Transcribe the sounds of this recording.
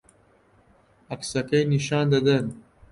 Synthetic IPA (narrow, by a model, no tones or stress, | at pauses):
ɐksɐkɐjniʃɑːnd̪ɐd̪ɐn